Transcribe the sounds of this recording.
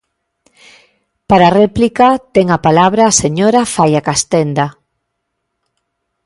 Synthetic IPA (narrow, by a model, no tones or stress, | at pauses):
paɾarɛplikat̪eŋapalaβɾaːseɲoɾafajakast̪end̪a